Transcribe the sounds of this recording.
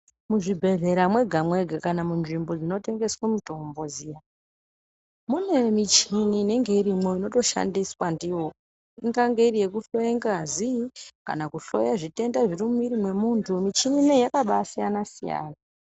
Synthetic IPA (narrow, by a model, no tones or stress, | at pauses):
muʐibʱe̞ɮe̞ɾamwe̞ɡʱamwe̞ɡʱakanamunʐimbo̞d͡zino̞te̞ŋɡe̞swemuto̞mbo̞zija | mune̞mit͡ʃiniːne̞ŋɡe̞iɾimo̞ino̞to̞ʃa̰ndiswandiwo | iŋɡaŋɡe̞irije̞kuɬo̞jeŋɡazika̰nakuɬo̞̰jaʐite̞ndaʐirimumiɾimwe̞muntʰumit͡ʃininejakaɓasijanasija̰ːna